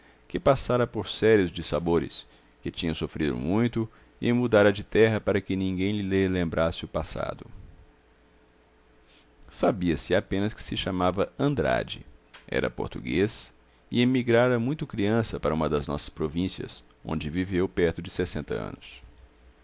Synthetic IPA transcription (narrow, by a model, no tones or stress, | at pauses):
kɪpasaɾɐpoɾsɛɾiʊzd͡ʒɪsaboɾɪ̰s | kɪt͡ʃĩɲɐ̃w̃sofɾid̪ʊ̰mũj̃t̪ʊ | ɪ̰mud̪aɾɐd͡ʒɪt̪ɛɦɐpaɾɐkɪnĩɡẽj̃lɪlelẽmbɾʔasɪʊpasa̰d̪ʊ | sabiɐsɪapẽnɐskɪ̥sɪʃamavɐɐ̃nd̪ɾa̰d͡ʒɪ̰ɛ̰ɾɐ̰po̰ɾt̪uɡes | ɪemiɡɾaɾɐmũj̃t̪ʊkɾiɐ̃sɐpaɾɐũmɐd̪ɐznɔ̰sɐ̥spɾovĩsiɐ̰sõ̰d͡ʒɪvivewpɛɾt̪ʊd͡ʒɪsesẽnt̪ɐ̰ɐ̰̃nʊs